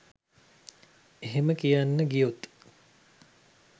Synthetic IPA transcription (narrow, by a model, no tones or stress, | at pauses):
eɦeməkijanːəɡijot̪